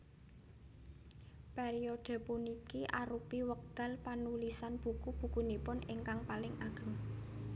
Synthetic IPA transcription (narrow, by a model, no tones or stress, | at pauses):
peɾioɖ̪̥ə̤punikiʔaɾupiwəɡ̥a̤lpanulisanb̥ṳkub̥ṳkunipʊnɪŋkaŋpalɪŋʔaɡ̥ə̤ŋ